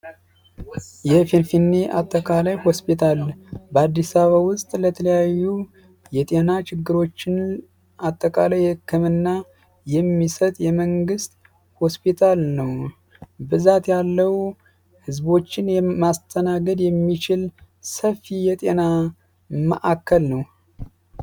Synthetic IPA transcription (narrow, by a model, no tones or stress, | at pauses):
jɛfinfinːeʔat̪ʼːəkʼalajho̞spit̪ʰalbəad̪ːisaβawʊst̪ʼlət̪ʰələjajːu | jɛt̪ʼe̞nat͡ʃɪɡːɨɾo̞t͡ʃːɪn | at̪ʼːəkʼalajhɨkːɨmɨnːa | jɛmːisət̪ʼjɛməŋɡɨst̪ | ho̞spit̪ʰalnəw | bɨzat̪jalːəwu | hɨzbo̞t͡ʃːɪnjɛmast̪ʰənaɡəd̪jɛmːit͡ʃɪl | səfijɛt̪ʼe̞na | mə̰ʔakʰːəlnəw